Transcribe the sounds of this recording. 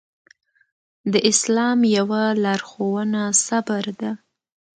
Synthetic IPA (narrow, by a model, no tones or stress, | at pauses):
d̪əʔɪslɑmjawalɑɾxowənasabaɾd̪a